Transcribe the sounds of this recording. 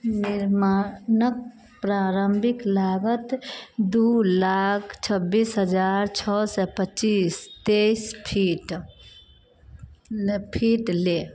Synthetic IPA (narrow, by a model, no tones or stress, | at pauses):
nɪɾmanək̚ | pɾaːɾəmbʱɪklaːɡət̪d̪ulaːkʰt͡ʃʰəbːiːsɦəd͡ʒaːɾt͡ʃʰɔːsɛpət͡ʃiːst̪eispʰiʈ | pʰiːʈleː